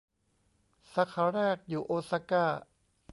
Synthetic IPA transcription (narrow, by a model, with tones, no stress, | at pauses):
sa˧˦kʰa˧˦ɾɛː˥˩k̚juː˨˩ʔoː˧sa˧˥kaː˥˩